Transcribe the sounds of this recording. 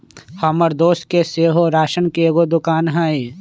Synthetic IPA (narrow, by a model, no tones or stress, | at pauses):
hɐməɾd̪oːskeseːɦoɾaːʃənkeeːɡod̪ʊkaːnɦae